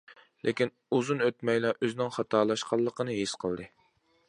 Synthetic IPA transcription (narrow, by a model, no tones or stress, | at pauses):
lʔekʲin | uzunøt̪̚mɛjlɛʔøzɪnɪŋχɑt̪ʰɑːlˠɑʃqʰɑlˠːəqənɨɦisqʰəlˠd̪ɨ